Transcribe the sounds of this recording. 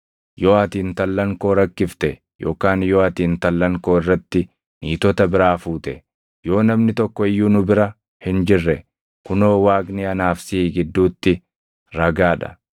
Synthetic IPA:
jo̞ːɐt̪iːnt̪ɐlːɐŋko̞ːɾɐkːɪft̪ɛ | jʔo̞ːkaːnjoːɐt̪iːnt̪ɐlːɐŋko̞ːɪrːɐt̪ːɪ | niːt̪ɔt̪ɐbɪɾaːfuːt̪ɛ | jo̞ːnɐmnɪt̪ɔkːɔɪjːuːnʊbɪɾɐ | hɪnd͡ʒɪrːɛ | kʊnoːwaːɡniɐnaːfsiːɡɪd̪ːuːt̪ːɪ | ɾɐɡaːᶑɐ̥̰

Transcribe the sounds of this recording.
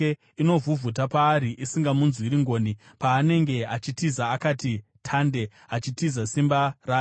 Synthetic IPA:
e | ino̞vuvʱut̬apaːɾiʔisiŋɡamunzuiɾiŋɡo̞ːni | paːne̞ŋɡe̞at͡ʃitizaːkatitʰande̞ | at͡ʃitizasimbaraː

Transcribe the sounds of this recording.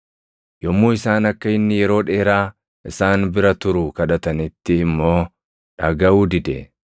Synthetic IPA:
jɔmːuːɪsaːnɐkːɐɪnːɪjɛɾo̞ːᶑeːɾaː | ʔɪsaːnbɪɾɐt̪ʊɾʊkɐᶑɐt̪ɐnɪt̪ːɪːmːo̞ː | ᶑɐɡɐʔuːd̪ɪd̪ɛ̰

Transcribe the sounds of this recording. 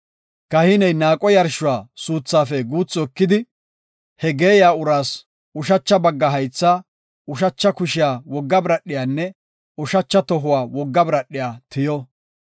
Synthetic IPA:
kɐhɪnɛjnaːkʼɔjɐɾʃʊwaːsuːt͡sːaːfɛɡuːt͡sːɔkːɪd̪ɪ | hɛɡe̞ːjaːʊɾaːs | ʊʃɐt͡ʃːɐbɐɡːɐɦɐjt͡sːaː | ʊʃɐt͡ʃːɐkʊʃɪjaːwɔɡːɐbɾɐɗːɪjaːnːɛ | ʊʃɐt͡ʃːɐt̪ɔɦʊwaːwɔɡːɐbɾɐɗːɪjaːt̪ɪjɔ

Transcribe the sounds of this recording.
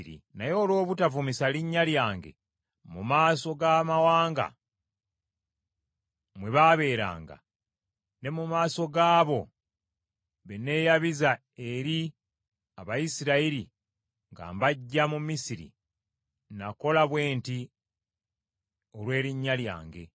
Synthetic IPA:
ḭnajo̞ːlwo̞ːβutavumisaliɲːaljaːŋɡe̞̰ | mumaːso̞ɡamawaːŋɡa̰ | mweβaβe̞ːɾa̰ːŋɡa̰ | ne̞mumaːso̞ɡaːβo̞ | βene̞ːjaβiza | e̞ɾi | aβajisiɾaiɾi | ŋɡa̰ːmbaɟːamumisiɾḭ | nako̞laβwe̞ːnti | o̞lwe̞ːɾiɲːalja̰ːŋɡe̞̰

